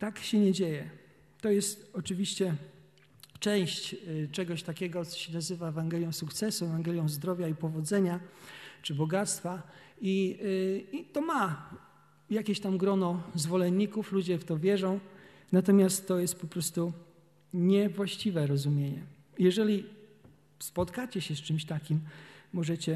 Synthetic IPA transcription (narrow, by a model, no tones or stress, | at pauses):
t̪akɕɛɲɛd͡ʑejɛ | t̪ɔjɛst̪ɔt͡ʂɘvʲiɕt͡ɕɛ | t͡ʂɛ̃w̃ɕt͡ɕt͡ʂɛɡɔɕt̪akʲɛɡɔt̪sɔ̥ɕɛnazɘvaɛvaŋɡɛlʲjɔ̃w̃sukt̪sɛsuɛvanɡɛlʲjɔ̃w̃zd̪ɾɔvʲjaipɔvɔd̪zɛɲat͡ʂɘbɔɡat̪st̪fa | i | it̪ɔma | jakʲeɕt̪amɡɾɔnɔzvɔlɛnɲːikuflud͡ʑɛft̪ɔvʲjɛʐɔ̃w̃ | nat̪ɔmʲjast̪ːɔjɛst̪̚pɔpɾɔst̪u | ɲɛvwaɕt͡ɕivɛɾɔzumʲjeɲɛ̰ | jɛʐɛlʲi | spɔt̪kat͡ɕɛɕɛst͡ʂɘmɕt̪akʲimːɔʐɛt͡ɕɛ